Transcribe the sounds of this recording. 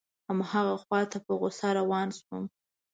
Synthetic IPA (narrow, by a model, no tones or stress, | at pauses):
amhaɣaxwɑt̪apəɣʊsaɾawɑnswum